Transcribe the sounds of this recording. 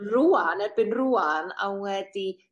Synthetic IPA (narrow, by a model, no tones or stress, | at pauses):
ruːanɛbɪnruːana̰wŋwɛdi